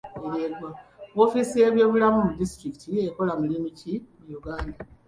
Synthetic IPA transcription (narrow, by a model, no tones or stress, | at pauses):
eɾeɡwaβo̞ːfisie̞βjo̞ːβulamumudistɾiki̥tie̞ko̞lamilimicimujuɡaːnda